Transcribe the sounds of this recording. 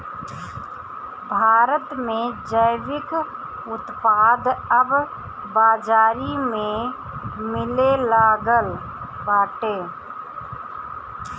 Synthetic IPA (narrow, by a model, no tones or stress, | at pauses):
bʱaːɾət̪mẽd͡ʒəɪʋɪk | ʊt̪paːd̪əbː | aːd͡ʒaːɾimẽ | mɪlelaːɡəl | baːʈeː